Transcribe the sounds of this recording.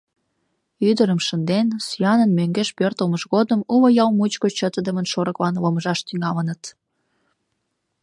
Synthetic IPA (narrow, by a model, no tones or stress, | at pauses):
yd̪əɾəmʃənd̪ensyjɑnənmøŋɡeʃpørt̪əlməʃɣod̪əmuβəjɑlmut͡ɕkot͡ɕət̪əd̪əmənʃoɾəklɑnləməʒɑʃt̪yŋɑlənət̪